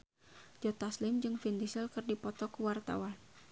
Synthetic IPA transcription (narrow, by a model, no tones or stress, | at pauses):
d͡ʒɔt̪aslɪmd͡ʒɨŋfind̪isɛlkɨrdipɔt̪ɔkəwart̪a̰wan